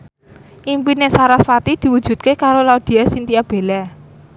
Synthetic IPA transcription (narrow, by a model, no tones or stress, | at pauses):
ʔimpinesaɾaswat̪id̪̥i̤wud̥ʒ̥ṳt̪̚kekaɾolaud̪̥i̤asint̪ijab̥e̤lɛ